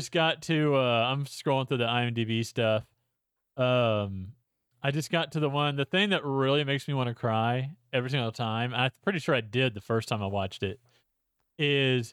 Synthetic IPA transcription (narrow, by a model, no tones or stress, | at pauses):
ʌsɡ̥ɑtʰʉʌãɪ̃mstɹɔʊlˠɪ̃ŋθɹʉðiaɪɨ̃mdibistʌf | ʌ̃m | aɪd͡ʒʌsɡ̥ɑtʰɨðəwʌ̃nðɨθɪ̃ŋðɨt̚ɹɪlˠimeɪksmiwɑ̃ñɨkʰɹ̥aɪɛvɹiθɪ̃ŋoðətʰãɪ̃maɪpʰɹ̥ɪɾiʃʊɹaɪdɪd̪̚ðɨfɜ˞stʰãɪ̃maɪwɑt͡ʃtɪt̚ | ɪz̥